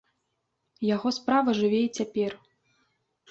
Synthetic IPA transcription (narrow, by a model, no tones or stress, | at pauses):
jaɣɔspɾavɐʐɨvʲɛit͡sʲapʲɛr